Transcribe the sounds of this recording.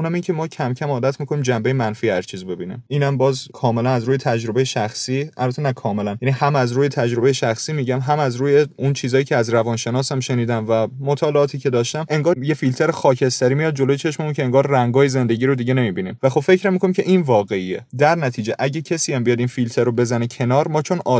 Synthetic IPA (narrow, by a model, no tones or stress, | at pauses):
ʔunæmiŋcʰe̞mɒːcʰæmcʰæmɒːd̪æt̪ʰmiːkʰoniːmd͡ʒæmbejemænfiːæzt͡ʃʰiːzbe̞biːnḭmiːnæmbɒːzkʰɒːme̞lænæzɾuːje̞t̪ʰæd͡ʒɾo̞be̞jeʃæxsiːælbæt̪enækʰɒːme̞lænjænihæmæzɾuːjet̪ʰæd͡ʒɾo̞be̞jeʃæxsiːmiɟæmɦæmæzɾuːjeunt͡ʃʰiːzɒːjiːcʰeæzɾævɒːnʃe̞nɒːsæmʃe̞niːd̪æmvæmot̪ʰɒːleɒːt̪ʰiːcʰe̞d̪ɒːʃt̪æmʔe̞ŋɡɒːjefilt̪ʰeɾexɒːcʰe̞st̪æɾiːmijɒːd̪̚d͡ʒo̞lojet͡ʃʰe̞ʃmeuncʰeeŋɡɒːɾræŋɡɒːjeze̞nd̪eɟiːɾod̪iɟe̞ne̞miːbinḭmvæxo̞bfe̞cʰɾæmːikʰonimkcʰe̞ʔinvɒːɣe̞iḛd̪æɾnæt̪ʰiːd͡ʒeʔæɟecʰesiːæmbijɒːd̪infilt̪ʰeɾobe̞zænecʰe̞nɒːɾmɒːt͡ʃʰo̞nɒː